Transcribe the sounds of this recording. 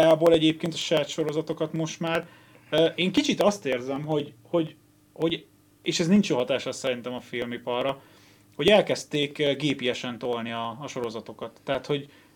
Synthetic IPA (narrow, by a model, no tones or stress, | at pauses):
aːboːlɛɟeːp̚keːnt̪ɒ̥ʃɛjaːt̪ʃo̞ɾo̞zɒt̪o̞kɒt̪mo̞ʃt̪maːr | øːʔeːŋkit͡ʃit̪ɒst̪eːrzɛmɦo̞ɟ | ho̞ɟ | ho̞ɟ | eːʃɛznint͡ʃoɦɒt̪aːʃlɛsːɛɾint̪ɛmɒfilmipɒrːɒ | ho̞ɟɛlkɛst̪eːkɡeːpijɛʃɛnt̪o̞lniɒːʃo̞ɾo̞zɒt̪o̞kɒt̪ːɛɦːt̪ho̞ɟ